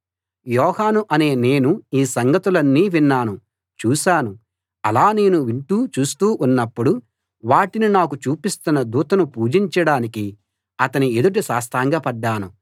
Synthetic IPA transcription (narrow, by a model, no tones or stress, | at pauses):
jɔːhaːnuʔɐne̞ːne̞ːnuiːsɐŋɡɐt̪ulɐnːiːʋinːaːnu | t͡ʃuːʃaːnu | ɐlaːne̞ːnuʋiɳʈuːt͡ʃuːst̪uːʔunːɐpːuɽu | ʋaːʈininaːkut͡ʃuːpist̪unːɐd̪uːt̪ɐnupuːd͡ʒiɲt͡ʃɐɽaːniki | ɐt̪ɐnied̪uʈ̬isaːst̪ʰaːŋɡaːpɐɖːaːnu